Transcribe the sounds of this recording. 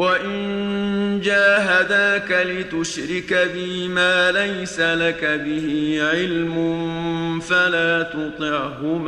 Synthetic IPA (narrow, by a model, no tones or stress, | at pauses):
waʔɪn | d͡ʒaːɦad̪aːkalɪt̪ʊʃɾɪkabɪmaːlajsalakabɪhɪʕɪlmʊ | falaːt̪ʊt̪ˤɪʕhʊm